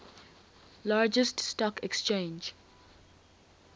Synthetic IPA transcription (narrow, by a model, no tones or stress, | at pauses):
laːd͡ʒəststɔkɛkst͡ʃẽnd͡ʒ